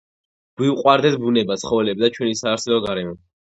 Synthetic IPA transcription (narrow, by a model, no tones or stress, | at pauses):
ɡ̥wiuqʼwaɾd̪ɛt̪ʰbunɛbat̪sʰχɔvɛlɛbd̪at͡ʃʰwɛnisaːɾt̪sʰɛlɔɡaɾɛmɔ